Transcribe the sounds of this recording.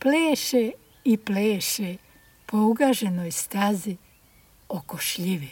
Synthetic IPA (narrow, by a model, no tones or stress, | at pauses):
pleːʃe | ipleːʃe | pʰouɡaʒenojst̪azi | okoʃʎiʋi